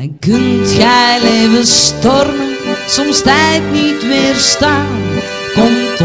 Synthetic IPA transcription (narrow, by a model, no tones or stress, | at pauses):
ɛkɵntxɛjleːvəstɔrmənsɔmstɛjtnitʋɪːrstaːn | kɔmt